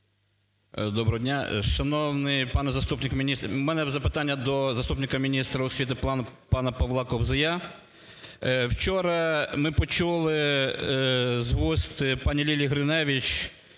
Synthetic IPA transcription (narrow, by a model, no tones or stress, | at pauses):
d̪ɔbɾɔɦɔdʲnʲaʃɐnɔwnɪjpɑnɛzɐst̪upnʲɪkmʲinʲismɛnɛzɐpɪt̪ɑnʲːɐd̪ɔzɐst̪upnɪkɐmʲinʲist̪ɾɐʊsʲʋʲit̪ɪp̪ˠɑnpɑnɐpɔʋlˠɑkɔbzɪja | wt͡ʃɔɾɐmɪpɔt͡ʃulˠɪ | zʋɔst̪pɑnʲilʲilʲiɦɾɪnɛʋʲit͡ʃ